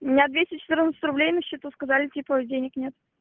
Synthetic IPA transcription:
mʲɪnʲad̪vʲesʲtʲɪt͡ɕɪ̥t̪ɨɾrnət̪sətʲɾʊblʲejnəɕːit̪uskɐzalʲɪtʲipədʲenʲɪknʲet̪

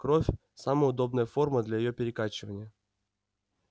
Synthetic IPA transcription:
kɾofʲ | saməjʊd̪o̞bnəjəfo̞rməd̪lʲajɪjo̞pʲɪɾʲɪkat͡ɕɪvənʲɪjə

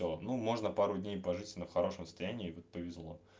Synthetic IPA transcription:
olˠnumo̞ʐnəpaɾʊdʲnʲejpɐʐɨtʲnəfxɐɾo̞ʂəmsəst̪ɐjænʲɪːvot̪̚pəvʲɪzlˠo̞

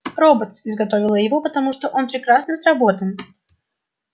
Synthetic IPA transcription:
ro̞bət̪sɪzɡɐt̪o̞vʲɪlˠəjɪvo̞pət̪ɐmuʂt̪oʔo̞npɾʲɪkɾasnəsrɐbo̞t̪ən

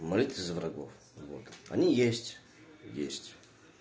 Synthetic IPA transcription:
mɐlʲit̪vɨzvraɡof | vot̪ɐ̰nʲijesʲtʲ | jḛsʲtʲ

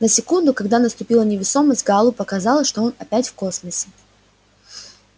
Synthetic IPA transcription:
nəsʲɪkund̪ʊkɐɡd̪anəst̪ʊpʲilˠənʲɪvʲɪso̞məsʲt̪̚ʲɡalˠʊpəkɐzɑlˠəʂt̪oonɐpʲætʲfko̞sməsʲɪ

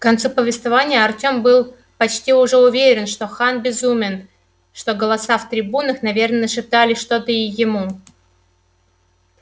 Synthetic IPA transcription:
kɐnt̪supəvʲɪst̪vavanʲɪjəɐrtʲo̞mbɨlˠ | pɐt͡ɕtʲiʊʐɛʊvʲeɾʲɪnʂt̪o̞xanbʲɪzumʲɪn | ʂt̪o̞ɡəlˠɐsaft̪ɾʲɪbunəxnɐvʲe̞rnənəʂɨp̚t̪alʲɪʂt̪o̞t̪əɪjɪmu

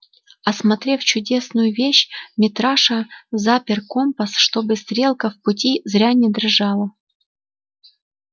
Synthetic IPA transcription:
ɐsmɐt̪ɾʲe̞ft͡ɕʊdʲe̞snʊjʊvʲeɕmʲɪt̪ɾaʂəzapʲɪrkompəsʂt̪obɨst̪ɾʲe̞lˠkəfpʊtʲizɾʲanʲɪd̪rʐɑlˠə

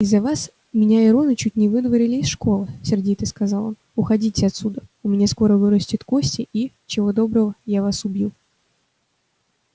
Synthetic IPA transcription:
ɪzːɐvas | mʲɪnʲaɪɾo̞nɨt͡ɕutʲnʲɪvɨd̪vəɾʲɪlʲɪːsʂko̞lˠɨsʲɪrdʲit̪ɨskɐzɑlˠonʊxɐdʲitʲɪɐt̪sud̪əʊmʲɪnʲasko̞ɾəvɨɾəsʲtʲɪt̪ko̞sʲtʲɪʔi | t͡ɕɪvo̞d̪o̞bɾəvəjavasʊbʲju

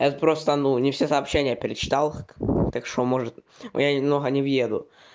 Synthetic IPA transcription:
ɛt̪əpɾo̞st̪ənunʲɪfsʲesɐːpɕːenʲɪjəpʲɪɾʲɪt͡ɕɪ̥t̪alˠkt̪akʂt̪omoʐɨt̪ | ɪjanʲɪmnoɣənʲɪvjed̪ʊ̰

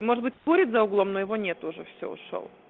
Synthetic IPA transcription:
moʐɨd̪̚bɨtʲspoɾʲɪt̪zɐʊɡlˠomnojɪvonʲet̪ʊʐɛfsʲo̰ʊ̰ʂo̰lˠ

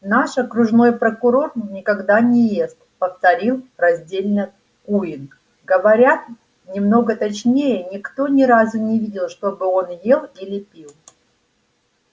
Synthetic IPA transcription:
naʂɐkɾʊʐno̞jpɾəkʊɾo̞rnʲɪkɐɡd̪anʲɪjest̪pəft̪ɐɾʲilˠrɐzʲdʲelʲnə | kuɪnk | ɡəvɐɾʲat̪ | nʲɪmno̞ɡət̪ɐt͡ɕnʲejənʲɪkt̪o̞nʲɪɾazʊnʲɪvʲidʲɪlˠʂt̪o̞bɨo̞njelˠilʲɪpʲilˠ

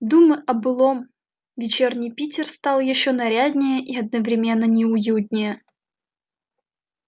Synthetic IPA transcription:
d̪uməʔɐbɨlˠom | vʲɪt͡ɕernʲɪjpʲitʲɪrst̪ɑlˠjɪɕːonɐɾʲad̪ʲnʲɪjəʔiɐd̪̚nəvɾʲɪmʲe̞nːənʲɪʊjut̪ʲnʲɪjə

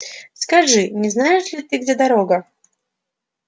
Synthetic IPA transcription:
skaʐɨnʲɛznajɛʂlʲit̪ɨɡd͡zʲɛd̪aɾɔɡɐ

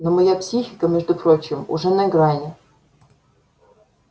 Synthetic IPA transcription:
nomɐjapsʲixʲɪkəmʲɛʐd̪ʊpɾot͡ɕɪmʊ̰ʐɛnɐɪɡɾanʲɪ

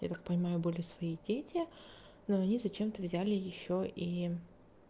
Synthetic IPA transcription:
ja̰t̪ak̚pənʲɪmajʊbɨlʲɪsvɐidʲetʲɪ | noɐnʲizɐt͡ɕe̞mt̪əvzʲælʲɪjɪɕːoʔi

